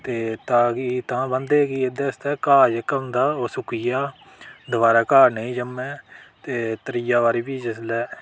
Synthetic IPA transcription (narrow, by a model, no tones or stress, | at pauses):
t̪eːt̪ãːkit̪ãːbənd̪eːkied̪eːst̪ɛːkaːd͡ʒkəmd̪aːosʊkɪjaː | d̪əʋaːɾaːkaːɾnəĩːd͡ʒəmɛːt̪eːt̪əɾɪjaːʋaːɾiːbiːd͡ʒəslɛː